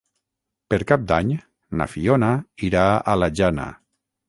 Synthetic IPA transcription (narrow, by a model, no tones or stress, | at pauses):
peɾkap̚d̪aɲ | na̰fionaiɾaalaʒana̰